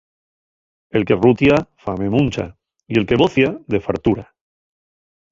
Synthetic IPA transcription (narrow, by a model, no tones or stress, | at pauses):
e̞lke̞rut̪jafame̞mũnt͡ʃa̰ | ie̞lke̞βoθjaðe̞faɾt̪uɾa